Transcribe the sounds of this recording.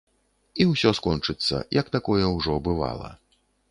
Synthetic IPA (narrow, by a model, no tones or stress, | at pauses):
iwsʲɔskɔnt͡ʂɨt̪sːɐ̰jʔɐkt̪akɔjɛwʐɔbɨva̰lˠɐ̰